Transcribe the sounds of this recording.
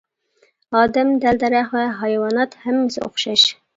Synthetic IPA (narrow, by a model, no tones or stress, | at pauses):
ɑːd̪ɛmd̪æld̪æɾæχwɛɦɑjwɑnɑt̪hæmːɪsɪ̰o̰χʃɑʃ